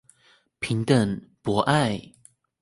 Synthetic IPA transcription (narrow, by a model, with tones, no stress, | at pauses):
pʰi˨˦ŋt̪ə˥˨npwɔ˨˧˦ʔa˥˨ɪ